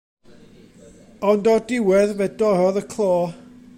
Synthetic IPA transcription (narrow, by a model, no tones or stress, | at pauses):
ɔndɔdɪwɛðvɛdɔɾɔðəkʰlˠɔː